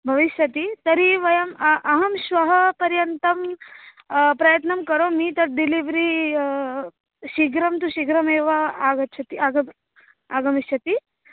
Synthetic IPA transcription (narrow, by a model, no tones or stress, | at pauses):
bʱɐʋiʃjɐt̪it̪ɐɾiʋɐjɐmʔɐɦɐmʃʋɐɦɐpɐɾjɐnt̪ɐm | pɾɐjɐt̪nɐmkɐɾomiːt̪ɐɾɖiliʋɾi | ʃiɡɾɐmt̪uʃiɡɾɐmeːʋɐaːɡɐtːt͡ʃʰɐt̪iaɡɐm | aːɡɐmiʃjɐt̪i